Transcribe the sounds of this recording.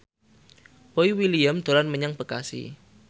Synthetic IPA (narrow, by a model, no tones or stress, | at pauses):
b̥oiwilijamd̪̥o̤lanməɲaŋb̥əkasḭ